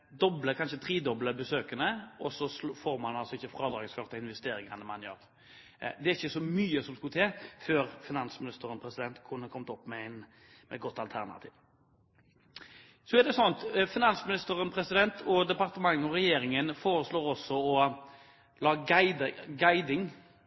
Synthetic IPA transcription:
d̪ɔbləkʰɑnʃət̪ʰɾiːd̪ɔbləbəsøːkənəʔɔsɔsfoːɾmɑnɑlsɔɪçːəfɾɑːd̪ɾɑːɡəskɑɾt̪əɪnʋɛst̪eːɾɪŋɑnəmɑnjø̰ːɾ | d̪ɛæɾɪçːəsɔmyːəsɔmskʉt̪ʰɛføːɾfɪnɑnsmɪnɪst̪əɾənpʰɾɛsɪd̪ɛnt̪kʰʊnːəkʰɔmt̪ɔpːmɛæɪn | mɛ̰t̪ɡɔt̪ːɑlt̪ʰæʁnɑ̰t̪ʰḭːʋ | sɔɛʁd̪ɛsɔnt̪fɪnɑnsmɪnɪst̪əɾənpʰɾɛsɪd̪ɛnt̪ʰɔd̪ɛpɑʁt̪əmɑŋːɔɾɛjeːɾɪŋənfoːɾəsloːɾɔsːɔɔ | lɑːɡɪd̪ɡæɪd̪ɪŋ

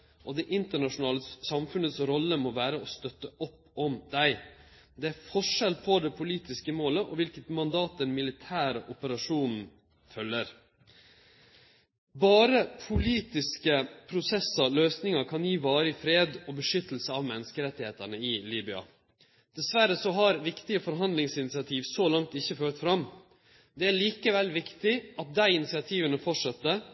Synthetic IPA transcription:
ʔɔd̪ɛʔɪnt̪əɳɑʂʊnɑːləsɑmfʉnət̪sɾɔlːəmoʋæːɾəɔst̪œt̪ːəʔɔpː | ɔmd̪̥æɪ | d̪ɛæɾfɔʂɛlpʰɔd̪ɛpʰʊliːt̪ɪskəmoːləʔɔʋɪlkət̪mɑnd̪ɑːt̪̚d̪ɛnmɪlɪt̪ʰæːɾəʔʊpəɾɑʂuːnn̩ | fœlːəɾ | bɑːɾəpʰʊliːt̪ɪskəpʰɾʊsɛsəløːsnɪŋɑɾkʰɑnjiːʋɑːɾəɪfɾeːd̪ɔbəʂʏt̪ːl̩səɑʋmɛnːəskəɾɛt̪ːɪheːt̪æɳəɪliːbʏɑ̰ | d̪̥ɛsʋæɾəsɔɦɑɾʋɪkt̪ɪəfɔɾɦɑnd̪lɪŋsɪnɪt̪sɪɑt̪ʰiːʋsolɑŋt̪ɪçːəføːʈfɾɑmː | d̪ɛæɭiːkəʋɛlːʋɪkt̪ɪʔɑt̪̚d̪æɪɪnɪsɪɑt̪ʰiːʋənəfɔʈʂɑt̪ːə

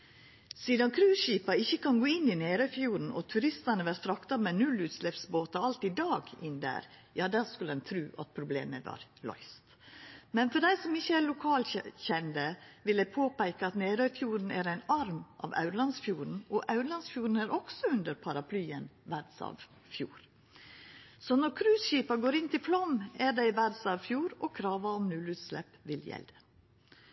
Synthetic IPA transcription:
siːd̪ɑnkʰɾʉːʃiːpɑɪçːəkʰɑnɡoːɪnːɪneːɾœfjuːɾn̩ɔ̰t̪ʰʉɾɪst̪ɑnəʋæɾt̪ɾɑkt̪ɑmɛnʉlʉːt̪slɛpsboːt̪ɑɑlt̪ɪd̪ɑːɡɪnd̪æ̰ːɾjɑːd̪æːɾskʉləɛnt̪ʰɾʉːʔɑ̰t̪̚pʰɾʊblḛːməʋɑ̰ːɾlɔ̰ʏst̪ | mɛnfɔɖ̪æɪsɔmɪçːəæːɭʊkʰɑːlçɛnd̪əʋɪld̪æɪpʰoːpæɪkəɑt̪neːɾœʏfjuːɾn̩æɾæɪnɑɾmʔɑ̰ʋɑ̰ʉɾlɑnsfjuːɾn̩ɔʔɑʉɾlɑnsfjuːɾn̩æɾʔɔɡ̥sɔʉnd̪əɾpʰɑɾɑpʰlyːənʋæɾd̪sɑ̰ʋ | fjṵːɾ | sɔnɔɾkʰɾʉːsɕiːpɑɡoːɾɪnt̪ɪflɔmæɾɖɛɪʋæɾd̪sɑʋfjuːɾɔkʰɾɑːʋɑɔmnʉːlʉt̪slɛpʋɪljɛ̰ld̪ə

